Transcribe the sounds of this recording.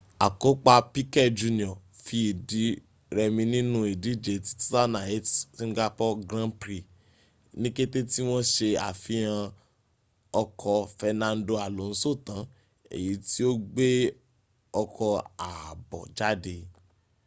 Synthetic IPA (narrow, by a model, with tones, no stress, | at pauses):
a˨ko˨˦k͡pa˧pi˦kɛ˦˨d͡ʒu˧nĩ˨ɔ˨ | fi˧i˨di˨˦ | ɾɛ˧mĩ˧nĩ˦nũ˦i˨di˨˦˨d͡ʒe˨ti̥˨ti˦ta˦na˨e˦tĩ˦ɡa˦pɔ˦ɡɾã˦pɾi˨ | nĩ˦ke˦te˦ti˦w̃ɔ̃˦ʃe˧a̰˨fĩ˧˦ã˧ | ɔ˧kʰɔ˧fɛ˧nã˧n˦do˧a˨lo˨˦ñ̩˨˦so˦˨tã˨˦ | ḛ˨ji˨˦ti˦o˦ɡ͡be˦ | ɔ˧kʰɔ˧a˨bɔ̰˨d͡ʒa˦de˧